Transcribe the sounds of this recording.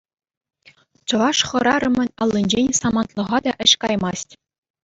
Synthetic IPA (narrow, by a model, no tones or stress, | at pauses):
t͡ɕɤ̆ʋɑʂχɤ̆ɾɑɾɤ̆mʲɘ̆nʲɑlˠʲːenʲd͡ʑenʲsɑmɑnt̪lˠɤ̆ʁɑd̪ɑʔɘ̆ɕkɑjmɑsʲtʲ